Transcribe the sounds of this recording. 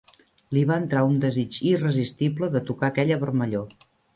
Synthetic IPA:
liβaənt̪ɾaund̪əzid͡ʒirəzist̪ibləðət̪ukakɛʎəβəɾməʎo

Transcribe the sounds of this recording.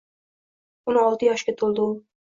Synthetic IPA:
ʊnɒlˠt̪ʰɪjɒʃkʲat̪ʰolˠd̪ɪʊ

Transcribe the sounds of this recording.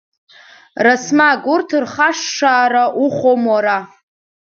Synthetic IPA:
rasmaɡurtʰɨrχaʂːaːɾaʔuχʷomwaɾa

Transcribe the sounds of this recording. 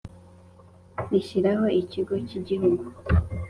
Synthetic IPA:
iʃiɾahoiciɡo̞ciɟiɦumu

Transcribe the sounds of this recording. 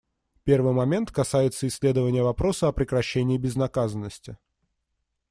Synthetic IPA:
pʲe̞rvɨjmɐmʲe̞nt̪kɐsajɪt̪səɪsʲlʲe̞d̪əvənʲɪjəvɐpɾo̞səɐpɾʲɪkɾɐɕːenʲɪːbʲɪznɐkazənːəsʲtʲɪ

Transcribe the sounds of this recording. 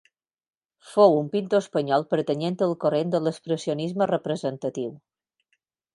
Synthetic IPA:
fowumpint̪oəspəɲɔlˠpəɾt̪əɲent̪əlˠkorend̪ələspɾəsionizmərəpɾəzənt̪ət̪iw

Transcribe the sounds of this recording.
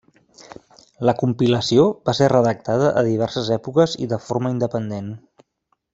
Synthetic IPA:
ləkumpiləsioβaserəðək̚t̪að̞əʔəðiβ̞ɛɾsəzɛpukəzḭðəfoɾməind̪əpənd̪en

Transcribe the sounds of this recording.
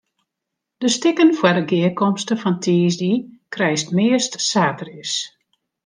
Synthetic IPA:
d̥əstɪkənfwɛdəɡɪːkɔmstəfɔntʰiːzdikrɛjstmɪəstsaːtərɪs

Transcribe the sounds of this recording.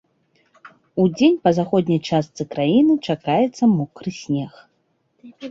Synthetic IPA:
ud͡zʲenʲpɐzaxɔd̪ʲnʲɐjt͡ʂast̪sɨkɾajinɨt͡ʂakajɛt̪sːɐmɔkɾɨsʲnʲɛx

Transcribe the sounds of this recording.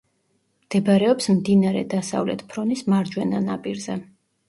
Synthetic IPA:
md̪̥ɛbɾɛɔpsmd̪inaɾɛ̰d̪asa̰vlɛ̰t̪ʰpʰɾɔnismaɾd͡ʒwɛnanapʼiɾzɛ

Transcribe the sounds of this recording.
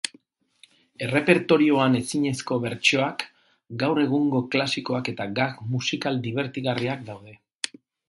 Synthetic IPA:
e̞re̞pe̞ɾt̪o̞ɾio̞ane̞siɲe̞sko̞βe̞ɾt͡ʃo̞ak | ɡawre̞ɣ̞uŋɡo̞klasiko̞ake̞t̪aɡakmusikald̪iβ̞e̞ɾt̪iɣariak̚d̪awðe̞

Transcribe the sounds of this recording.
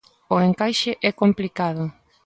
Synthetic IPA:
oeŋkajʃɪʔɛkomplikaðʊ

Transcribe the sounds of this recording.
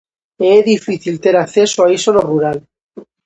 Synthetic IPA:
eeðifiθilt̪eɾakθesoaisoloruɾal

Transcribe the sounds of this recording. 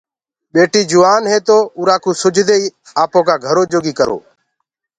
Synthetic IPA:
ɓeːʈiːd͡ʒʊʋaːnɦeːt̪oːʊɾaːkuːsʊd͡ʒʱd̪eːiː | aːpõːkaːɡʱəɾoːd͡ʒoːɡiːkəɾo̰ː

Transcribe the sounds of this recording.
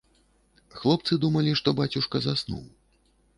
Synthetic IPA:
xlˠɔp̚t̪sɨd̪umɐlʲiʂt̪ɔbat͡sʲuʂkɐzasnṵw

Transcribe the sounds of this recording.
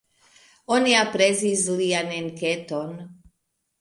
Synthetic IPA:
ɔniapɾɛzizlianɛnkɛt̪ɔn

